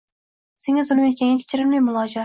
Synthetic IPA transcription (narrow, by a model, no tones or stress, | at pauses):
seŋazʊlɪmet̪̚kʲaŋʲakʲʰe̥t͡ʃʰɪɾɪmlɪjmʊlˠɒd͡ʒa